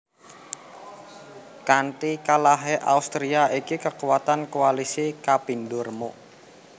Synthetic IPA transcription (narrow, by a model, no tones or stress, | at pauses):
kaɳʈikalaɦeʔa̰ust̪ɾiaikikəkuwat̪ankualisikapindʊrmo